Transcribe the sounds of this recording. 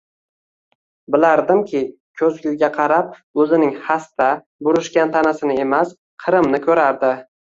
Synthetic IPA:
bɪlaɾd̪ɪmkʲʰɪ | kʲʰɵzɡʲɪlɡʲaqʰɑɾap̚ɵzɪnɪŋhast̪a | bʊɾɪʃkʲant̪ʰanasɪnɪe̞mas | qʰɨɾɪmnɪkʰʲɵɾaɾd̪ɪ

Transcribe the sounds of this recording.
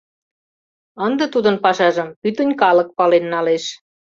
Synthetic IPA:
ənd̪ə̆t̪ud̪ənpɑʃɑʒə̆mpyt̪ənʲkɑlə̆k̚pɑlenːɑleʃ

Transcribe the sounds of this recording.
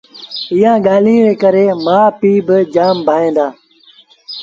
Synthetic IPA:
iːãːɠaːl̤ĩːɾeːkəɾeːmãːpiːbɪd͡ʒaːmbʱaːẽːnd̪aː

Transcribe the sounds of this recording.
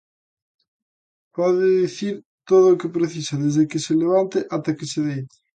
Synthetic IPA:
pɔðɪðiθiɾ | t̪oðʊːkɪpɾeθisɐðezðɪkɪseleβ̞ant̪ɪʔat̪ɛkɪseðejt̪ɪ̥

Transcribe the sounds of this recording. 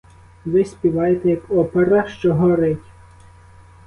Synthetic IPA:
ʋɪsʲpʲiʋɑjet̪ɛjɐkɔpeɾɐʃt͡ʃɔɦɔɾɪtʲ

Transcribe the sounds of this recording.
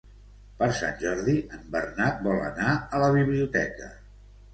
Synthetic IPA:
pəɾsa̰nʲʒɔɾðiəmbərnat̪̚bɔlə̰naələβ̞iβliut̪ɛkə

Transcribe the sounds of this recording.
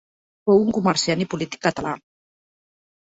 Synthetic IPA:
fowuŋkumaɾsianipulit̪i̥kːat̪ala

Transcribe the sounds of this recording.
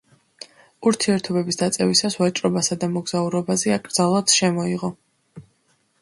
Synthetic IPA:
uɾt̪ʰiɛɾt̪ʰɔbɛbisd̪at̪sʼɛvisasvat͡ʃʼɾɔbasad̪amɔɡz̥auɾɔbazɛakʼɾdzalˠad̪ʃɛmɔiʁɔ

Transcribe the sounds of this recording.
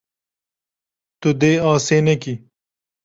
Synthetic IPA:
t̪ud̪eːɑːsenɐki

